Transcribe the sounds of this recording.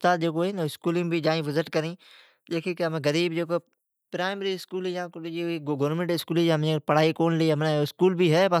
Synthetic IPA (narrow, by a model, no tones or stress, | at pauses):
ʊst̪aːt̪̚d͡ʒeːk̬oɦenɪskuːlɪ̃ŋbʱid͡ʒaːĩʋɪzɪʈkɐɾĩː | d͡ʒeːkikeɦɐmẽɡɐɾiːbd͡ʒeːko | pɾaːɪmeɾiɪskuːljãkiiɡoːɾmẽɳʈɪskuːlijaɐmẽpɐɽ̤aːikoːnliɦɐmnẽɪskuːlbʱiɦɛːpɐ